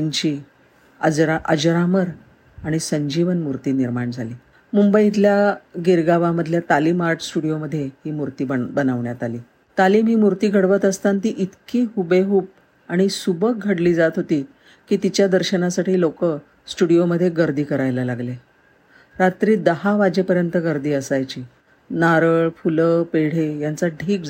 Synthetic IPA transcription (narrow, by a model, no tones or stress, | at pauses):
iɲt͡ɕiː | əd͡zɾaʔə̰d͡ʑɾaməɾ | aɽ̃isəɲd͡ʑiʋənmuɾt̪iːniɾmaɳd͡zʱaliː | mumbəit̪̬ljaɡiɾɡaʋaməd̪ʱljat̪aliːmaɾʈʰsʈuɽijoməd̪ʱːjeɦiːmuɾt̪iːbənaʋɳjat̪aliː | t̪aliːmɦiːmuɾt̪iːɡʱəɽʋət̪əst̪ant̪iːʔit̪kiːɦubeɦuːp̚ | aɽ̃isubək̚ɡʱəɽliːd͡zat̪ɦot̪iː | kiːt̪it͡ɕjad̪əɾɕənasaʈiːlokə | sʈuɽijoməd̪ʱːjeɡəɾd̪iːkəɾajlalaɡle | ɾat̪ɾiːd̪əɦaʋad͡ʑepəɾjənt̪əɡəɾd̪iːəsajt͡ɕiː | naɾəɭfuləpeɽ̤ejant͡saʈʰiːk̚